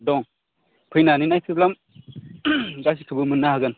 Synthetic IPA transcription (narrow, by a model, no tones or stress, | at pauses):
dɔŋ | pʰɯjnaninajtʰɯblam | ɡas̬ikʰɯbɯmɯnːahaɡɯn